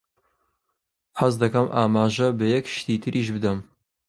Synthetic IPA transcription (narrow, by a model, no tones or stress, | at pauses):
hɐzd̪ɐkɐmʔaːmaːʒɐbɐjɛkʃt̪iːt̪ʰɨɾʔiʃ̬bɨd̪ɐm